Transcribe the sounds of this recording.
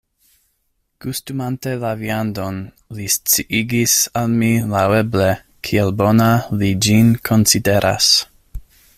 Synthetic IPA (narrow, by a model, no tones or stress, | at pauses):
kustumantelaviando̞n | list͡siʔiɡisalmilawe̞ble | kʰielbo̞nalid͡ʒinkʰo̞nside̞ɾʔa̰s